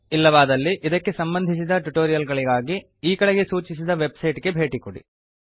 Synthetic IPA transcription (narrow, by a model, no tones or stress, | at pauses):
ilːɐʋaːd̪ɐlːiʔid̪ɐkːe̞sɐmbɐnd̪ʱis̬id̪ɐʈuʈoːɾijɐlɡɐɭiɡaːɡi | iːkɐɽeɡe̞suːt͡ʃisid̪ɐʋe̞bsɐjʈɡe̞bʱe̞ːʈikuɽḭ